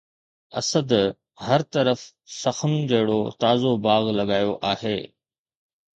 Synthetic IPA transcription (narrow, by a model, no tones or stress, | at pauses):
ɐ̰səd̪ | hɐɾt̪ɐɾəf | sɐxənd͡ʑɐɦɪɽot̪aːzobaːɣlɐɠaːjoʔaːɦeː